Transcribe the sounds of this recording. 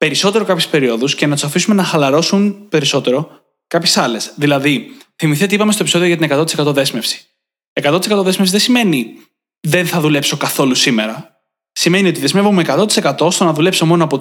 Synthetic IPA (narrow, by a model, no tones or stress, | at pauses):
pe̞ɾiso̞t̪e̞ɾo̞kɐpçespe̞ɾio̞ðuscenɐt̪u̥sɐfisume̞nɐxɐlɐɾo̞sunpe̞ɾiso̞t̪e̞ɾo̞ | kɐpçesɐle̞sðilɐðiθimiθet̪iipɐmest̪oepiso̞ðio̞ʝɐt̪inekɐt̪o̞t̪ise̞kɐt̪o̞ðe̞zme̞fsi̥ | ekɐt̪o̞t̪isekɐt̪oðe̞zmefsiðesime̞ni | ðe̞nθɐðule̞pso̞kɐθo̞lusime̞ɾɐ | sime̞nio̞t̪iðe̞zme̞vumekɐt̪ot̪i̥se̞kɐt̪o̞st̪onɐðule̞pso̞mo̞noɐpo